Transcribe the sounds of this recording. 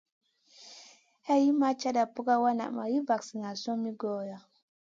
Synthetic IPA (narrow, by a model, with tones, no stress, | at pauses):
ha˦ji˦ma˦t͡ʃa˦da˨pu˦ka˦wa˦na̰˨ʔma̰˨ji˦va˨ksi˨ŋa˨so˦mi˦ɡo˦˨ja˨